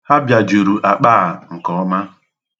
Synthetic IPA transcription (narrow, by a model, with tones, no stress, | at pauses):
ha˦bja˨d͡ʒu˨ɾu˨ʔa˨k͡paː˦˨ŋ̩˨kɔ˨ɔ˦ma˦